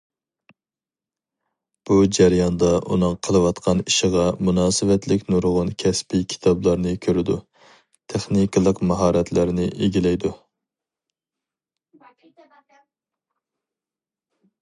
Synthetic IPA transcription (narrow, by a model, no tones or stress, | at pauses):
b̥ud͡ʒæɾjɑnd̪ɑʔunɨŋqʰəlˠɨwɑt̪qʰɑniʃəʁɑmunɑːsɨvɛt̪lɪkʲnuɾʁʊnkʲʰɛspikʲʰi̥t̪ʰɑblˠɑɾnɨkʲʰøɾɪd̪u | t̪ʰeχnikɨlˠəqmɑɦɑːɾɛt̪ʰlæɾnɪʔeɡʲilɛjd̪u